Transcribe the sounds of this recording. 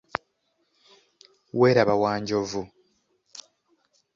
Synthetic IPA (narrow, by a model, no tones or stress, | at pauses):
weːɾaβawaːɲɟovu